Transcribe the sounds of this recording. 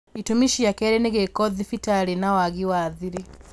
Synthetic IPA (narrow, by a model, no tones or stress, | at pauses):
itumiʃijakɛɾɛniɣekɔðifitaɾinawaɣiwaðiɾi